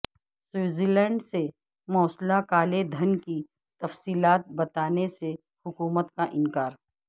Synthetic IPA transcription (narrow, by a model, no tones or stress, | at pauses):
suːziːlɛ̃ːɳɖse | mɔːslakaːled̪ʱɐnki | t̪ɐfsiːlaːt̪̚bɐt̪aːnese | hʊkuːmət̪kaʔɪ̃nkaːɾ